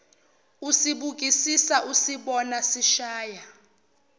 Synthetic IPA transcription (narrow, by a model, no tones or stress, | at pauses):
usiɓuk̬ʼisisaʔusiɓɔnasiʃaːja